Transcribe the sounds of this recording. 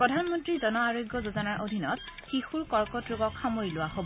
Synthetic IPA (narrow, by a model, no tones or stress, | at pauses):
pɹɔdʱanmɔntɹizɔnɔaɹojɡjɔzozɔnaɹʔodʱinɔt̚xixuɹkɔɹkɔtɹoɡɔkxamojilʊwaɦobɔ